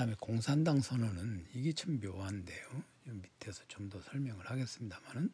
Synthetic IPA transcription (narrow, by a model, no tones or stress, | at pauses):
amekoŋsʰandaŋsʰʌnonɯniɡet͡ɕʰamːjoande̞jo | ʌmitʰe̞sʰʌ̥t͡ɕomdʌsʰʌɭmjʌŋɯɭhaɡe̞s͈ɯmɲidamanɯn